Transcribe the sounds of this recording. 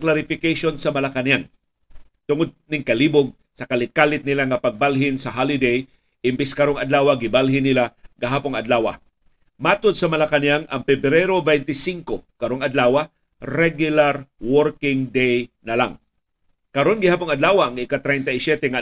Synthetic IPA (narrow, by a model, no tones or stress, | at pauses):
klaɾɪfɪkejʃonsɐmɐlakanjaŋ | t̪ʊŋod̪̚nɪŋkɐliːboɡ̚ | sɐkɐlɪt̪̚kalɪt̪̚nɪlaŋɐpɐɡ̚balɦɪnsɐɦalɪd̪ej | ʔɪmbɪskɐɾoŋɐd̪laːwaɡɪbalɦɪnɪlaɡɐɦaːpʊŋɐd̪laːwa̰ | maːt̪od̪̚sɐmɐlakanjaŋɐŋpɛbɾɛɾobɛjnt̪ɪsiŋkokɐɾoŋɐd̪laːwa | ɾɛɡjʊlaɾwɔɾkɪŋd̪ejnɐla̰ŋ | kɐɾo̞nɡɪhaːpʊŋɐd̪laːwaɐŋʔɪkat̪ɾɛjnt̪ɐɪsjɛt̪ɛŋa